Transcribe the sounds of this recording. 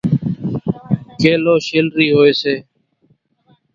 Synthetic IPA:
keːloːʃeːlɾiːɦoːeːseː

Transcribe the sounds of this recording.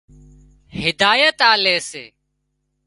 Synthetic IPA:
hɪd̪aːjət̪aːleːsḛː

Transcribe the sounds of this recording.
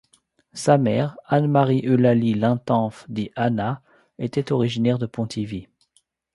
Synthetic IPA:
samɛːʁanmaʁiʔølalilɛ̃t̪ɑ̃fd̪iʔana | et̪ɛt̪ɔʁiʒinɛʁd̪əpɔ̃t̪ʰivi

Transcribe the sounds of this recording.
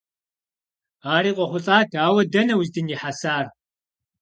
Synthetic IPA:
aːɾiːqʷʼɔχʷʊɬʼaːtʰaːwɐdɐnɐwzdɨniħasaːr

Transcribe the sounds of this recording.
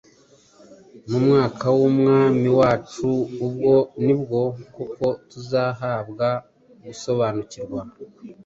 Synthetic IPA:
mumŋaːkʰawumŋaːmiwaːt͡ʃuːbɡo̞nibɡo̞koko̞tuzaːɦabɡa | ɡuso̞βaːnuciɾɡwa

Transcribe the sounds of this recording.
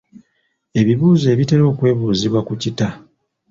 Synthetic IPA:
e̞βiβuːze̞ːβite̞lo̞ːkwe̞ːβuːziβwakucita

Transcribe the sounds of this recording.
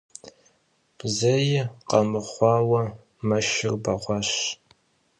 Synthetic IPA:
b̥zɐjɪqɐmɨχʷɑːwɐ | mɐʃɪrbɐʁʷɑɕ

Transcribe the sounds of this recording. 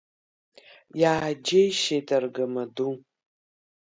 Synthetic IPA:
jaːd͡ʒejʃetʰarɡamadu

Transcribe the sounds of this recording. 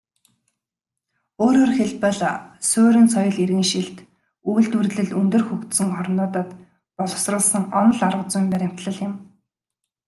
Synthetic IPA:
oːɾoːrxeɮpə̆ɮsʊːɾɘ̆nt͡sʰɔjɞ̆ɮerɣɘ̆ŋʃiɬt̪ | ujɮt̪urɮɘ̆ɮunt̪ɵ̆rxɵkt̪sɘ̆ŋɔrnʊːt̪aːt̪ | pɔɮɞ̆wsrə̆ɮsə̆ŋɔnɞ̆ɮarə̆t͡sʊjmpæɾʲɪ̆m̥t̪ɮə̆ɮɪ̆m

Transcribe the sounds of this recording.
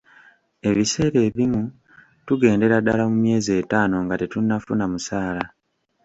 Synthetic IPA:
e̞βise̞ːɾe̞ːβimu | tuɡe̞ːnde̞ɾadalamumje̞ːzie̞ːtaːno̞ŋɡatetunːafunamusaːla

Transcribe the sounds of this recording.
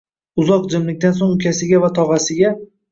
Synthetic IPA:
ʊzɒqd͡ʒɪmlɪkʲt̪ansoŋʊkʲʰasɪɡʲavat̪ʰɒʁɑsɪɡʲa

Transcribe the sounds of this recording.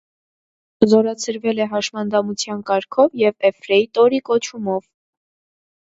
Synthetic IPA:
zɔɾɑt͡sʰəɾvɛlɛɦɑʃmɑnd̪ɑmut͡sʰjɑnkɑɾkʰɔvjɛvɛfɾɛit̪ɔɾikɔt͡ʃʰumɔv

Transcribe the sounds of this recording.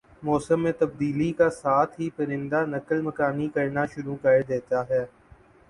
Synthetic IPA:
mɔːsəmːẽːt̪əb̚d̪iːlikasaːt̪ʰɦiːpɐɾɪ̃nd̪aːnəkəlməkaːnikɐɾnaːʃʊɾukəɾed̪eːt̪aːɦɛː

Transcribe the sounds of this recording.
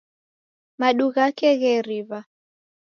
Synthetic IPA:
maɗuɣakɛɣɛɾiβa

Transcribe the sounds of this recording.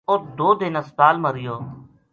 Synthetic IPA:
ot̪d̪oːd̪eːnəst̪aːlməɾɪjoː

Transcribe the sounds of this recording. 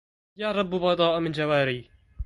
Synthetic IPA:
jaːɾˤɑbːubɑd̪ˤɑːʔmɪnd͡ʒawaːɾiː

